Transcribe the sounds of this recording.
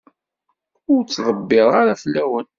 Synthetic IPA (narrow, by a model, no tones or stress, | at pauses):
ʊɾt͡sːðˤəbːɪðˤaɾaθlːæwən